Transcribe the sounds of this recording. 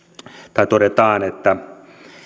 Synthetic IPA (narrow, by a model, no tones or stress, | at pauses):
t̪ɑit̪oɾet̪ɑːnet̪ːæ